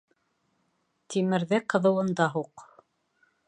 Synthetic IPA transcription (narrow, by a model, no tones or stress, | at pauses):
t̪imɘ̆ɾðɘqɤ̆ðɤ̆wɤ̆nd̪ɑɦuq